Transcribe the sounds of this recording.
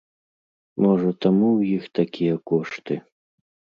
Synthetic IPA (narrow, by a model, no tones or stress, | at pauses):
mɔʐɐt̪amuwjixt̪akʲijɐkɔʂt̪ɨ